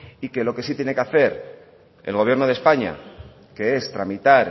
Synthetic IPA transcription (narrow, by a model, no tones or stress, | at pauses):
ike̞lo̞ke̞sit̪jene̞keaθe̞ɾ | e̞lɣo̞βje̞ɾno̞ð̞e̞spaɲa̰ | ke̞e̞st̪ɾamit̪aɾ